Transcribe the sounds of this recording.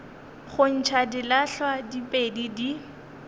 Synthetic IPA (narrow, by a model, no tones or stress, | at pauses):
χʊn̩t͡ʃʰadilaɬwadipʼedidi